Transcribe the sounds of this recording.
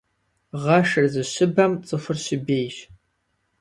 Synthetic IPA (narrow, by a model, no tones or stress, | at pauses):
ʁɐʃɨrzɨɕɪbɐmt͡sʼɨfʷɨrɕɪbeːjʒ